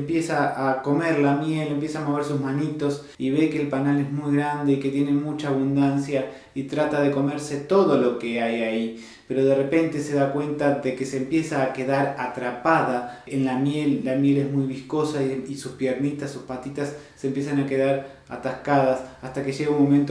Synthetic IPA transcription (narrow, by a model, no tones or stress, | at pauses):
mpje̞saːko̞meɾlamjelempjesaːmo̞β̞e̞ɾsusmanit̪o̞s | iβe̞keːlpanalezmujɣɾand̪e̞iket̪je̞ne̞mut͡ʃaːβund̪ansja | it̪ɾat̪aðe̞ko̞me̞ɾse̞t̪o̞ðo̞lo̞keajai | pe̞ɾo̞ð̞e̞repe̞nt̪e̞se̞ðakwe̞nt̪aðekeseːmpje̞saːkeðaɾat̪ɾapaðaenlamjelːamje̞lezmujβisko̞saisuspjeɾnit̪asuspat̪it̪asː | eːmpjes̬anake̞ðaɾ | a̰t̪ahkaðasast̪ake̞ʒeɣaunmo̞mẽnt̪o